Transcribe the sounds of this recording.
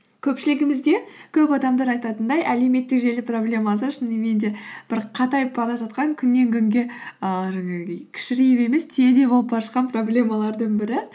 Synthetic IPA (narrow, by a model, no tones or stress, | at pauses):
kʲʰɵpʃɪlɪɡʲɪmɪzd̪e̞kʲʰɵpɑd̪ɑmd̪ɑɾɑjt̪ɑt̪ənd̪ɑjʔæle̞me̞t̪ːɪkʒe̞lɪpro̞blʲe̞mɑs̬əʃɪneme̞nd̪e̞b̥ɪɾqʰɑt̪ɑjbʰɑɾɑʒɑt̪qɑŋkʲʰʏnːe̞ŋkʲʰʏŋɡʲe̞əʒɑŋeɡʲejkʲʰɪ̥ʃɪɾijɪpe̞me̞st̪ʰed̪e̞bo̞lˠəp̚bɑɾəʃqɑnpro̞blʲe̞mɑlˠɑɾd̪əŋbɪɾɪ